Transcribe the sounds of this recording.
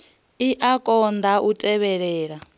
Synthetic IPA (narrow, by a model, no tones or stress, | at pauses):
iʔakʼɔnd̪aʔutʼɛβɛɺɛːɺa